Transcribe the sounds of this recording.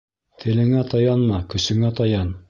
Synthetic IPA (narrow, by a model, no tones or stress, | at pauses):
t̪ʰɘ̆lɘ̆ŋæt̪ɑjɑnmɑkɵ̆sɘ̆ŋæt̪ɑjɑn